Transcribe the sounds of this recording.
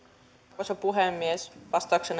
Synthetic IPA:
kosepuɦemːiesʋɑst̪ɑːksen

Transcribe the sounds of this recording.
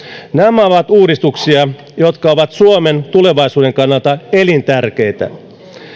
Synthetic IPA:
næmæɑoʋɑt̪uːɾist̪uksiɑ | jot̪kɑoʋɑt̪suome̞nt̪ule̞ʋɑisuːde̞ŋkɑnːɑlt̪ɑe̞lint̪ærk̟e̞jt̪æ̰

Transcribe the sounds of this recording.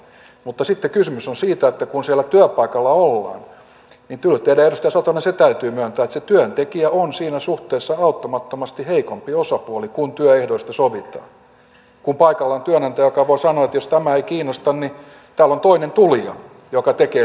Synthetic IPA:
mut̪ːɑsit̪ːekysymysonsiːt̪æet̪ːækunsiælːˑæt̪yøpɑikɑlːɑolːɑ̰ːn | nit̪ylt̪eidæeɾust̪ɑjɑsɑt̪oniset̪æyt̪yːmyøˑnt̪æːet̪set̪yønt̪ekiæonsiːnæsuht̪eːsːɑɑut̪ːomɑt̪ːomɑst̪iheikompiosɑpuolikunt̪yøehdoist̪ɑsoʋit̪ɑ̰ːn | kumpɑikɑlːɑont̪yønɑnt̪æjokɑʋoisɑnoɑet̪jost̪æmæeikiːnost̪ɑnni | t̪æːlont̪oinent̪ulijɑ̰ | jokɑt̪ekeː

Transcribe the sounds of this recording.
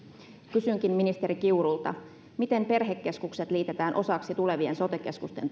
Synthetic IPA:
kysyŋk̟imminist̪eɾik̟iuɾult̪ɑ̰ | mit̪e̞mpe̞rɦekːe̞skukset̪liːt̪et̪æːnʔo̞sɑksit̪ule̞ʋie̞nso̞t̪eke̞skust̪e̞̰n

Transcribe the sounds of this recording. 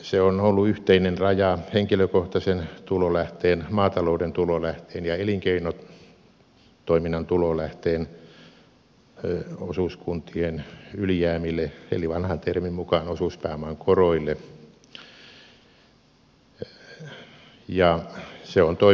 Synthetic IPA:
seonolːuyht̪einenrɑjɑheŋkiløkoht̪ɑsent̪ulolæht̪eːnmɑːt̪ɑloudent̪ulolæht̪eːnjɑeliŋkeino | t̪oiminːɑnt̪ulolæht̪eːn | osuskunt̪ienyljæːmilːˑeḛliʋɑnhɑnt̪ermimmukɑnosuˑspæːmɑŋkoroilːe | jɑseont̪o

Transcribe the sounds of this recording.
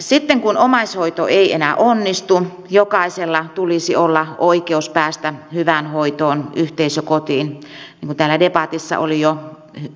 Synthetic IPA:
sit̪ːeŋkunomɑsʲhoit̪o̰eiḛnæʔonːist̪u | jokɑiselːɑt̪ulisiolːɑoikeuspæːst̪æhyʋænhoit̪oːnyht̪eisøkot̪iːnniːŋkunt̪æːlːædepɑt̪isːɑ̰ʔo̰lijo

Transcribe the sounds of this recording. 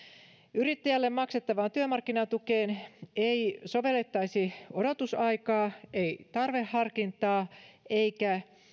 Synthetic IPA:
yrit̪ːæjælːemmɑkset̪ːɑʋɑːnt̪yømɑrkːinɑt̪ukeːneisoʋe̞lːet̪ːɑisiodot̪usɑikɑːʔeit̪ɑrʋehːɑrkint̪ɑːeikæ

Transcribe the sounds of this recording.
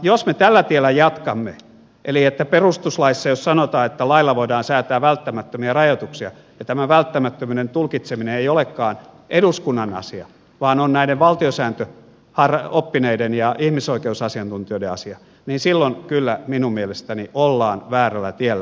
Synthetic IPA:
josmet̪ælːæt̪ielːˑæjɑt̪kɑmːḛ | ʔeliet̪ːæperust̪uslɑisːɑjossɑnot̪ɑːet̪ːælɑilːɑʋoidɑːnsæːt̪æːʋælt̪ːæmæt̪ːømiɑrɑjot̪uksiɑ | jɑt̪æmæʋælt̪ːæmæt̪ːømynent̪ulkit̪semineeijolekːɑːn | ʔeduskunːɑnɑ̰siɑ̰ | ʋɑːnonnæideʋʋɑlt̪iosæːnt̪ø | hɑropːineidenjɑihmisoikeusɑsiɑnt̪unt̪ioˑiɾeɑsiɑ | niːnsilːonkylːæminummielest̪æniʔolːɑːnʋæːrælːˑæ̰t̪ielːæ

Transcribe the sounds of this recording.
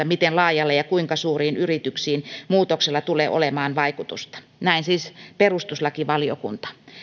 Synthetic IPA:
æmit̪enlɑːjɑlːejɑkuiŋkɑsuːriːnyrit̪yksiːnmuːt̪okselːɑt̪ulḛːʔo̰lemɑːnʋɑikut̪ṵst̪ɑ̥ | næinsiːsperust̪uslɑkiʋɑlio̰kṵnt̪ɑ̥

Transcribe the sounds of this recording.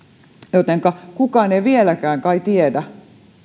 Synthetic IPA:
jot̪eŋkɑkukɑːˑneiʋielækæːŋkɑit̪iedæ

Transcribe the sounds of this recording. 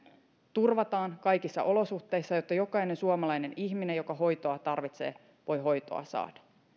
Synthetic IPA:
t̪urʋɑt̪ɑːnkɑjkisːɑ̰ʔo̞lo̞suxt̪ːˑe̞isːɑjot̪ːɑjo̞kɑine̞nsuomɑlɑjne̞niçminejo̞kɑɦo̞jt̪oɑt̪ɑrʋit̪sḛː | ʋo̞jɦo̞jt̪o̞̰ɑ̰sɑ̰ːd̥ɑ̥

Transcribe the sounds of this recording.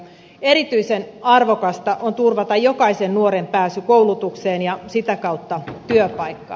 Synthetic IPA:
e̞ɾit̪yisenɑrʋo̞kɑst̪ɑʔont̪urʋɑt̪ɑjo̞kɑisennuoɾempæːsykowlut̪ukseːnjɑsit̪ækɑwt̪ːɑt̪yøpɑikːɑ̰

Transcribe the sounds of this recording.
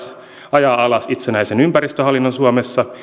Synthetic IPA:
s | ɑjɑɑlɑsit̪senæisenympærist̪øɦɑlːinːonsuomesːɑ

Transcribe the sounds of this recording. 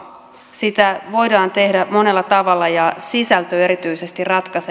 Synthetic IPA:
sit̪æʋo̞jdɑːnt̪e̞hdæmo̞ne̞lːɑt̪ɑʋɑlːɑjɑsisælt̪øe̞ɾit̪yise̞st̪irrɑt̪kɑse

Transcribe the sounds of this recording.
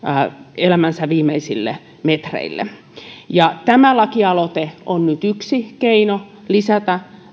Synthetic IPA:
elæmænsæʋiːmeisilːḛ | met̪rḛilːḛ | jɑt̪æmælɑkiɑlot̪eonnyt̪yksikeino | lisæt̪æ

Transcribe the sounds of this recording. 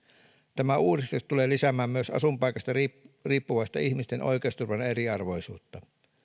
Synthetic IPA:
t̪æmæuːɾist̪est̪ule̞ːlisæmæːmmyøsɑ̰sumpɑjkɑst̪ɑriːpːuʋɑst̪ɑ̰içmist̪enʔo̞̰jkeust̪urʋɑneɾiɑrʋo̞jsṵːt̪ːɑ

